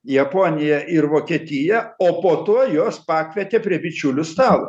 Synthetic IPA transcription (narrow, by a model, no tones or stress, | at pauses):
jɛpoːnʲɪjɛʔɪɾʋoːkʲiɛt̪ʲɪjɛoːpoːt̪uɔjoːspɑːkʲʋʲɛt̪ʲepʲɾʲiɛbʲɪt͡ʃʲʊlʲʊst̪ɑːlˠʊ